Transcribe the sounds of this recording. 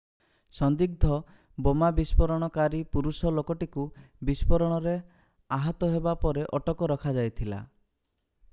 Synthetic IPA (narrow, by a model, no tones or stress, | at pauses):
sɔnd̪ik̚d̪ʱɔ | bomabispɔɾɔɽ̃ɔkaɾipuɾusɔlokɔʈikubispɔɾɔɽ̃ɔɾe | aɦɔt̪ɔɦebapɔɾeʔɔʈɔkɔɾɔkʰad͡ʒajt̪ʰila̰